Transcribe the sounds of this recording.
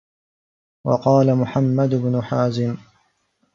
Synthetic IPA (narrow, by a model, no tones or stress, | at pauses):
wɑ̰qɑːlamʊħamːad̪ʊbnʊħaːzɪm